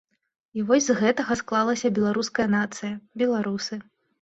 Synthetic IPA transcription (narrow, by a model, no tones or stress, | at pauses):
ivɔsʲzɣɛt̪ɐɣɐsklˠalˠɐsʲɐbʲɛlˠaɾuskɐjɐnat̪sɨjɐbʲɛlˠaɾusɨ